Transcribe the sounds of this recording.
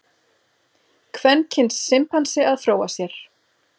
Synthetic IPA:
kʰvɛncʰɪnsːɪmphansɪaðfɾoːwasjɛɾ̥

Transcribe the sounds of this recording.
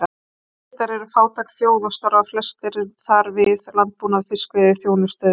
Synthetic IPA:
t̪aɾɛɾʏfaːwt̪ʰakθjoːwðast̪aɾvaflɛst̪ɪɾθaɾvɪðlant̪̚puːnaðfɪ̥skveːðɪθjoːwnʏst̪œːð

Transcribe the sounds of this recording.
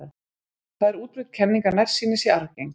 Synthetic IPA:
θaðɛɾuːt̪ɾʏht̪̚cʰɛnːiŋkaɾnar̥siːnɪsiaɾcejŋ

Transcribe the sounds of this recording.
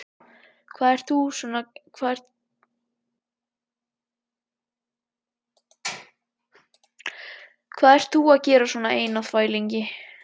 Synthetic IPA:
kʰvaːðɛɾ̥tθusɔnakʰvaɛ | kʰv̥aːðɛɾ̥t̪θuaðcɛːɾasɔːnaeːjnawθvaːjliɲcɪ

